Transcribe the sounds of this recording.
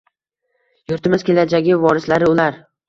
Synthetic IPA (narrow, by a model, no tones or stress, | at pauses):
jʊɾt̪ɪmɪz̥kʲʰe̞lad͡ʒaɡʲɪvɒɾɪslaɾɪʊlaɾ